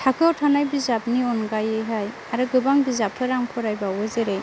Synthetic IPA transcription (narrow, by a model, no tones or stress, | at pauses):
tʰakʰɯwtʰanajbizap̚niɔnɡajejɦaj | aɾɯɡɯbaŋbizapʰːɯɾaŋpʰɔɾajbawɯzeɾe